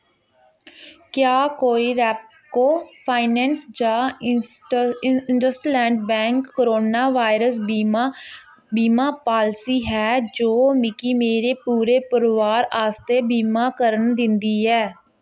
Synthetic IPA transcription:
kjaːkoːiːɾɛːp̚ | koːpʰaːɪnɛːnsd͡ʒãː | nɖəsʈlɛ̃ːɳɖbɛ̃ːŋkːəɾoːnaːʋaːɪɾəs̬ | biːmaːpaːlsiːɦɛːd͡ʒoːmɪkiːmeːɾeːpuːɾeːpəɾʋaːɾaːst̪eːbiːmaːkəɾənd̪ɪ̃nd̪iːɛː

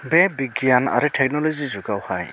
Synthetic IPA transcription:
bɛbiɡjana̰ɾɯtʰɛk̚nɔlɔzizuɡawhaj

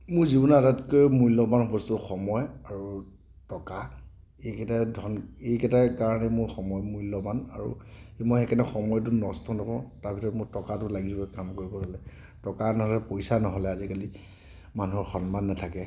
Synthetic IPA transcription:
mʊɹzibɔnadatkɔjmujlɔbanbɔstuxɔmɔjaɹu | tɔka | ekɛtadʱɔnejkɛtakaɹanɛmʊɹxɔmɔjmujlɔbana̰ɹṵemɔjxɛkʰɛnɛxɔmɔjt̬ʊnɔstɔnɔkɔtaɹbʱitʰɔɹɔtmʊɹtɔkatʊlaɡiɦɛkamkoɹibɔɦɔlɛ | tɔkanɔɦɔlɛpojsanɔɦɔlɛazikali | manuɦɔɹxɔnmanːatʰakɛ

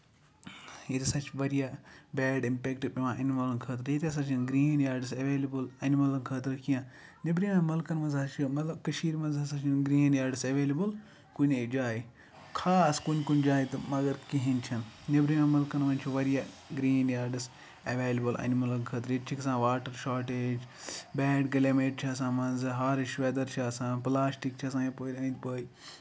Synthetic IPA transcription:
jet̪isɐt͡ʃʰʋɐɾijabɛːɖĩmpekʈɨpʲimãːʔɐnimɐlɐnkʰɐːt̪ɐɾjet̪ʲas̬at͡ʃʰinɡɾĩːnnjaːɾɖisɐʋeːlibəlɐnimɐlɐnkʰəːt̪ɐɾkijãː | nibɾimãmɐlkɐnmɐ̃nzɐt͡ʃʰomɐt̪lɐbkɐʃiːɾmɐ̃nzɦɐsɐt͡ʃʰinɡɾiːnnjaːɾɖisɐʋeːlibəl | kunʲed͡ʒaːi | kʰaːskunkunʲd͡ʒaːjt̪ɨmɐɡɐɾkiɦint͡ʃʰɐnnibɾimẽmɐlkɐnmɐnʲt͡ʃʰiʋɐɾijaː | ɡɾiːnjaːɾɖis | ɐʋeːlibɐlʔɐ̰nmɐlɐkkʰɐt̪ɾit͡ʃʰiksãːʋaːʈɐɾʃaːɾʈeːd͡ʒbɛːɖɡɐlʲeːmeːʈt͡ʃʰiɐs̬ãːmɐnzɨɦaːɾʃʋeːd̪ɐɾt͡ʃʰːsãːplaːsʈik̚t͡ʃʰis̬ãːĩpoːɾʲɐ̃ːnd̪ʲpəːi

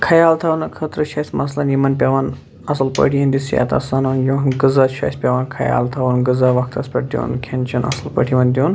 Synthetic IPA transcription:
kʰɐjaːlt̪ʰɐʋunɨkʰɐt̪ɾɨʃʰɐsʲmɐslɐnjimɐnpʲɐʋaːn | ɐslpə̰ʈʰiɐnd̪isja̰t̪ɐ̰saːnɐnjonɡɨzat͡ʃʰɐ̰ːjsʲpʲɐʋaːnkʰɐja̰ːlt̪ʰɐʋunɡɨzɐʋɐk̚t̪ɐspʲɐʈ̚d̪ʲjo̰ːnkʰent͡ʃʰɐnʔɐ̰sɨlpə̰ʈʰiʋɐnʲd̪ʲjoːn

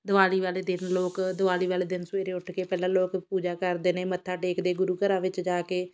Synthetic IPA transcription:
d̪əʋaːliːʋaːleːd̪ɪnloːkd̪ʊʋaːliːʋaːleːd̪ɪnseːɾeːʊʈʰkeːpɛːlãːloːkpuːd͡ʒaːkəɾd̪eːneːmət̪ʰːaːʈeːkd̪eːɡʊɾuːkəɾãːʋɪt͡ʃd͡ʒaːkeː

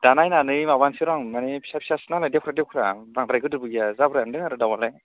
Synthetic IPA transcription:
d̥anajnanɯjmaβansiɾaŋmanepʰisapʰisasnalajdekʰɾadewkʰɾabaŋdɾajɡɯdɯbɯɡijazabɾajandɯŋaɾɯdawalaj

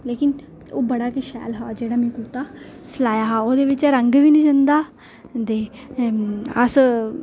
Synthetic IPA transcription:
leːkɪn | oːbəɽaːkiʃɛ̰ːlɦa̰ːd͡ʒeːɽaːmɛ̃ːkuːt̪aː | səlaːjaːɦaːoːd̪eːʋɪt͡ʃɛɾəŋɡʋiːnĩːd͡ʒənd̪aː | d̪eː | əs

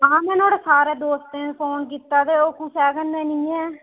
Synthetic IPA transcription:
ãːmɛ̃ːnoːɽeːsaːɾeːd̪oːst̪ẽːpʰoːnkiːt̪ːaːd̪eːoːkʊsɛːkənd̪ɛːnĩːɛː

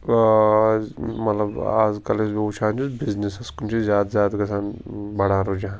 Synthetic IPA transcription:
mɐt̪lɐba̰ːzkɐlesbut͡ʃʰaːnd͡ʒusbiznisɐskunt͡ʃʰizjaːd̪zjaːd̪kɐsaːnbɐɽãːɾod͡ʒaã

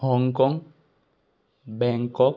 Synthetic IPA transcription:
hɔŋkɔŋ | bɛŋkɔk

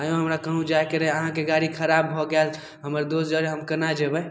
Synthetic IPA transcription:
ajõɦəmɾakəɦũd͡ʒajkəɾeəɦãkeɡaɾikʰəɾabɦɔɡal | ɦəməɾd̪osd͡ʒəɾeɦəmkənad͡ʒebɛ

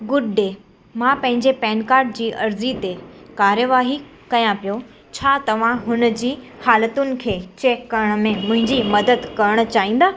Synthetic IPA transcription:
ɡʊɖɖeː | mãpɐ̃ɦɪ̃ɲd͡ʑepɛːnkaːɾɖ̚d͡ʑiːʔɐɾzit̪ekaːɾjəʋaːɦi | kɐjãpijo | t͡ɕʰaːt̪ɐʋ̤ãɦʊnəd͡ʑiː | haːlət̪ʊnɪ̆kʰeːt͡ɕeːkːɐɾəɽ̃̆mẽmʊ̃ɦɪ̃ɲd͡ʑimɐd̪əd̪kɐɾəɽ̃ʊ̆t͡ɕaːĩːn̆d̪aː

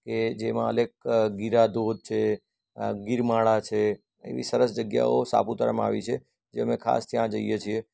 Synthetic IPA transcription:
ked͡ʒemã̰əlek̚ɡiɾad̪od̪̚t͡ʃʰe | ɡiɾmaɭat͡ʃʰe | ḛʋḭsəɾəsd͡ʒəɡja̰osa̰put̪aɾamãaʋit͡ʃʰe | d͡ʒeəmekʰa̰st̪ʰjãd͡ʒəijet͡ʃʰie

